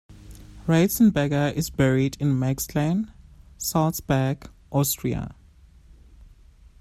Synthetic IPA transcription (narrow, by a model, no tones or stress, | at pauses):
ɹesə̃nbɛɡəʔɪzbɛɹidɪ̃nmɛksʰlẽnsalsbɛɡʔɔstʰɹia̰